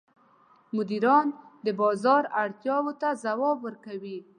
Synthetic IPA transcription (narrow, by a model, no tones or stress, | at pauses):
mʊd̪iɾɑnd̪əbɑzɑɾaɽt̪jɑwot̪azawɑbwəɾkawi